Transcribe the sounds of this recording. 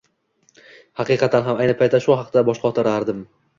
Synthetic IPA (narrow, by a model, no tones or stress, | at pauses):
hɑqɨqʰɑt̪ʰanɦamajnɪpʰajt̪ʰːaʃʊɦɑqd̪abɒʃqʰɑɒt̪ʰɪɾaɾd̪ɪm